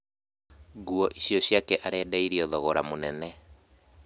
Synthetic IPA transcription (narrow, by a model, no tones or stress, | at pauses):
ɡuɔʔiɕiɔɕjakɛʔaɾɛːdaiɾiɔðɔɣɔɾamonɛnɛ